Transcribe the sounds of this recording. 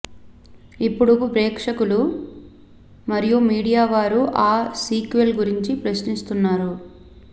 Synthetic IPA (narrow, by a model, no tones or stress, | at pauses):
ipːuɽupɾɛːkʂɐkulu | mɐɾijumiːɽijaːʋaːɾuʔaːsiːkʋelɡuɾiɲt͡ʃipɾɐsnist̪unːaːɾu